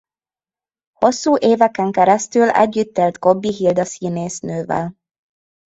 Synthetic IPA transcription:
ho̞sːuːʔeːvɛkɛŋkɛɾɛst̪ylɛ̰ɟːyt̪ːeːlt̪ko̞bːiɦild̪ɒsiːneːsnøːvɛ̰l

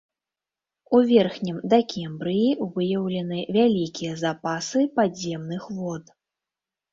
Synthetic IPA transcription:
uvʲɛrxnʲimd̪ɐkʲʰɛmbɾɨjiuvɨjɐwlʲɐnɨvʲalʲikʲijɐzapasɨpazʲɛmnɨxvɔt̪

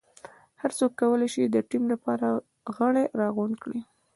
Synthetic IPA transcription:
haɾt͡sokːawəlajʃid̪əʈimlapɑɾa | ɣəɽeɾɑɣunkɽi

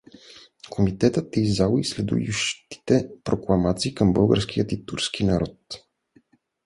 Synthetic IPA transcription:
kʰomit̪ɛt̪ət̪izd̪alˠislɛd̪ṵjuʃt̪i̥t̪ɛpɾoklˠɐmat̪siːkəmbɤlˠɡə̰ɾsk̟ijət̪it̪uɾsk̟inɐɾɔt̪

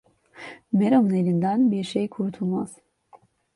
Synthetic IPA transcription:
meɾamɯne̞lʲind̪ænbiɾʃejkʰuɾt̪ʰulˠmaz̥

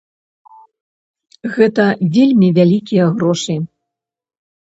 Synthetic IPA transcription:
ɣɛt̪ɐvʲelʲmʲivʲalʲikʲijɐɣɾɔʂɨ

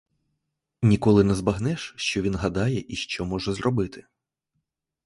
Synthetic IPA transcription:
nʲikɔlˠɪnɛzbɐɦnɛʃʃt͡ʃɔʋʲinɦɐd̪ɑjɛʔiʃt͡ʃɔmɔʒɛzɾɔbɪt̪ɪ̥

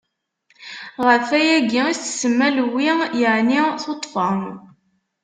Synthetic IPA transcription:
ʁəfæjæɡiist̪ːsəmːælwijəʕniθot̪ˤːfəm

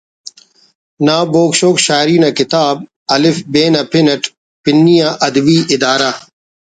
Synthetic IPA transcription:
naːboːkʃoːkɕaːɾiːnakɪt̪aːb̚ | ɐlɪfbeːnɐpɪnɐʈ | pɪnːijaːʔɐd̪biːʔɪd̪aːɾaː

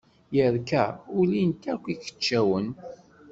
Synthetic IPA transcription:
jəɾkæʊlint̪ækʷːikə̥t͡ʃːæwən

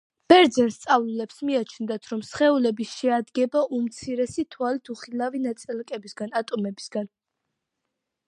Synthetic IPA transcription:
b̥ɛɾd̪zɛnst̪sʼavlulɛpsmiat͡ʃʰnd̪at̪ʰɾɔmsχɛulɛbisʃɛad̪ɡɛbaʔumt̪sʰiɾɛsit̪ʰwalit̪ʰuχilavinat̪sʼilkʼɛbisɡanat̪ʼɔmɛbisɡ̥an

